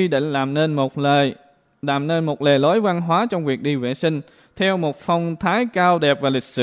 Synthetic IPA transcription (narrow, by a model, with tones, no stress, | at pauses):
i˧ɗḭ˧˨ŋ̟laː˨˩mne˧n̚˨˩ | laː˨˩mne˧nmo˨˩t̚le˨˩lo˨˦jva˧nɦwaː˨˦t͡ɕɔ˧wŋ͡mvi˨˩ək̚ɗi˧vḛ˧˨sï˧ŋ̟ | t̪ʰɛ˧wmo˨˩t̚fɔ˧wŋ͡mt̪ʰaː˨˦jkaː˧wɗɛ˨˩p̚vaː˨˩lï˨˩k̟̚sɨ̰˧